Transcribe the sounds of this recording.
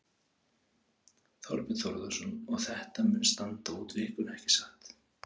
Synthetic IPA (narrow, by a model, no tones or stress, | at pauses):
θɔ̰ɾpɪt̪θɔɾðɔsɔnɔɣθɛht̪amʏnst̪ant̪auːt̪vɪːhkʏɾɛhcɪ̥saxt̪